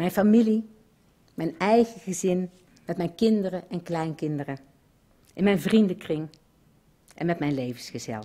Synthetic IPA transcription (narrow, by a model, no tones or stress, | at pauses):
mɛjnfamili | mɛjnɛjɣəχəzɪn | mɛtmɛjnkɪndərəʔɛnklɛjnkɪndərə | ʔɪnmɛjnvrindəkrɪŋ | ʔɛ̰nmɛtmɛjnlejvənsχəzɛ̰lˠ